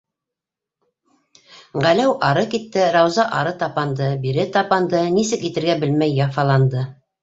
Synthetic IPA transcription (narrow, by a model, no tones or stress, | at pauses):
ʁælæwʔɑɾɤkit̪ːɘɾɑwzɑʔɑɾɤt̪ɑpɑnd̪ɤbiɾɘt̪ɑpɑnd̪ɤnisɘkit̪ɘ̆ɾɡæbɘlmæjːɑfɑlˠɑnd̪ɤ